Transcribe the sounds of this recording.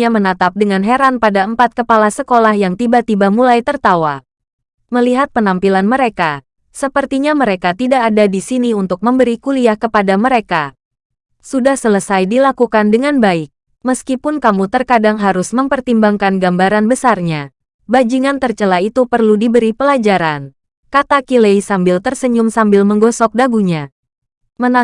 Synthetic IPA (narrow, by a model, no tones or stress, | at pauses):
amənat̪ap̚dəŋanɦeɾanpadaəmpat̪̚kəpalasəkolahjaŋt̪ibat̪ibamulajt̪ərt̪awa | məliɦat̪̚pənampilanməɾeka | səpərt̪iɲaməɾekat̪idaʔːdadisiniunt̪ʊk̚məmbəɾikuliahkəpadaməɾeka | sudahsələsajdilakukandəŋanbaɪk̚ | məskipʊnkamut̪ərkadaŋɦaɾʊsməmpərt̪imbaŋkanɡambaɾanbəsarɲa | bad͡ʒiŋant̪ərt͡ʃəlait̪upərludibəɾipəlad͡ʒaɾan | kat̪akilejsambɪlt̪ərsəɲʊmsambɪlməŋɡɔsɔk̚daɡuɲa | məna